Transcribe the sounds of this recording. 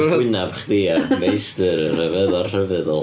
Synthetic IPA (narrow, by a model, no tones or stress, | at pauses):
ronabχdiːamejstɨɾər̥əvɛðɔrr̥əvɛðɔ̰lˠ